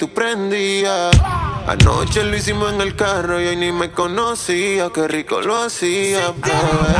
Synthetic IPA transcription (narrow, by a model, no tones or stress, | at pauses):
t̪upɾɛnd̪ia | a̰no̰t͡ʃelis̬imaŋɛlkaɾojonimekonosiakeriko̰loasiapɛ